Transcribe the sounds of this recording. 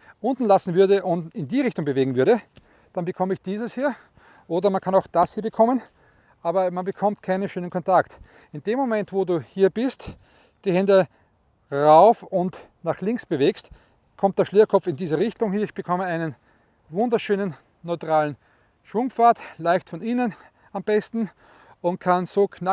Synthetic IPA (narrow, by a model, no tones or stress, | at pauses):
ʔʊ̃ntn̩lasn̩vʏɐdəʔʊntɪndiːʁɪçtʊŋbəveːɡŋ̩vʏɐɾə | d̥anbəkʰɔməɪçd̥iːzəshiːɐ | ʔoːdɐmankʰanaʊxd̥ashiːɐbəkʰɔmən | ʔaːbɐmanbəkʰɔmtkʰaɪnəʃøːnənkʰɔ̃ntʰakt | ɪndeːmːomɛntvoːduːhiːɐb̥ɪst | d̥iːhɛndə | ʁaʊfʊnt | naːχlɪŋksb̥əveːkst | kʰɔmt̚d̥eːɐʃleːɐkʰɔpp͡fɪndiːzəʁɪçtʊŋhiːɐɪçb̥əkʰɔməaɪnən | vʊ̃ndɐʃøːnən | nɔʏtʁaːln̩ | ʃʋʊŋpp͡faːtlaɪçtfɔniːnən | amb̥ɛstn̩ | ʊntkʰansoːkʰna